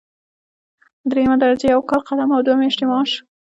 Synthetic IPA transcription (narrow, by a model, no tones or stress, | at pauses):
d̪ɾemad̪aɾzejawkɑlqad̪amawd̪wamɪʃʈ̪ɪmɑʃ